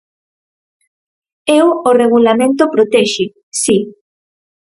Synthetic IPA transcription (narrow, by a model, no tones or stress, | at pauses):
eworeɣ̞ulamẽnt̪̬opɾot̪ɛʃɪ | si